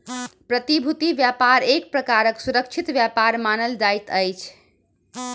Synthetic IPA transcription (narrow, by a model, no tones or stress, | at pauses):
pɾət̪ibʱut̪iʋjapaɾek̚pɾəkaɾəksuɾək̚t͡ʃʰit̪ʋjapaɾmanəld͡ʒajt̪əjt͡ʃʰ